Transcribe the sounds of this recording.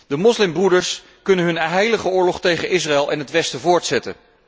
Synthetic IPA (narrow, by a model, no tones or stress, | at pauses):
d̥əmɔslɪmbrudəɹs | kɵnənɦɵnɦɛjləχəʊːɹlɔχtejχənɪsraɛlˠɛnɦətʋɛstəvʊːɹtsɛtə̰